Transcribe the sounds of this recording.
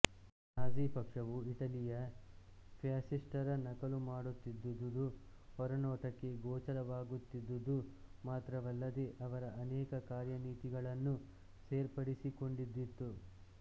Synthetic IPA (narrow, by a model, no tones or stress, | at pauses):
haːd͡ʒiːpɐkʂɐʋuiʈɐlijɐ | pʰjaːsisʈɐɾɐnɐkɐlumaːɽut̪ːid̪ːud̪ːud̪u | ɦɔɾɐnɔːʈɐkːe̞ɡɔːt͡ʃɐlɐʋaːɡut̪ːid̪ːud̪umaːt̪ɾɐʋɐlːɐd̪e̞ʔɐʋɐɾɐɐnɛːkɐkaːɾjɐniːt̪iɡɐɭɐnːu | seːɾpɐɽisiko̞ɳɖid̪ːit̪ːu